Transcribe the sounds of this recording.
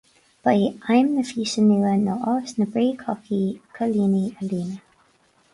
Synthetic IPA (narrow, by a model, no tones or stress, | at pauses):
b̥əiajmnəfiːsənuːənoʔɔsnəbɹiːkʰɔkʰikʰəliːniəliːnə